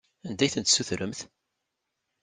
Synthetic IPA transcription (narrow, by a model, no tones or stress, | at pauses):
ænd̪æjθənt̪sːuθɾəmθ